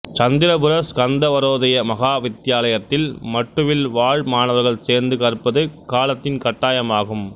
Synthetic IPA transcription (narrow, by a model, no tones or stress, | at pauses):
t͡ʃɐnd̪ɪɾɐbɯɾɐskɐnd̪ɐʋɐɾoːðɐjɐmɐɣaːʋɪt̪ːɪjaːlɐjɐt̪ːɪlmɐʈːɯʋɪlʋaːɻmaːnɐʋɐɾɣɐɭseːɾnd̪ɯkɐɾɯpːɐðɯkaːlɐt̪ːɪnkɐʈːaːjɐmaːɣɯm